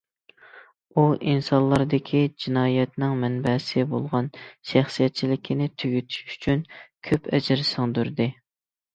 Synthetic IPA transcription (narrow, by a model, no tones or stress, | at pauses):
uʔinsɑnlˠːɑɾd̪ɪkʲʰid͡ʒinɑːjɛt̪nɪŋmɛnbɛsɪbolˠʁɑnʃæχsijɛt̪̚t͡ʃʰilɪkʲʰinɪt̪ʰyɡʲyt̪ʰy̥ʃy̥t͡ʃʰynkʲʰøpʰɛ̰d͡ʒɾsɨŋd̪yɾd̪ɪ